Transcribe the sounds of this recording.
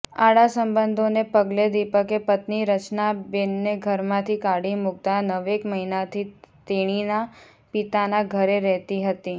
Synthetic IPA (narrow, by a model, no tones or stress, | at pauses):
aɽasəmbənd̪ʱonepəɡled̪ipəkepət̪niɾət͡ʃnabenːeɡʱəɾmãt̪ʰikaɽimʊɡ̚t̪anəʋekməɦinat̪ʰit̪eɽ̃ina | pit̪anaɡʱəɾeɾɛɦt̪iɦət̪i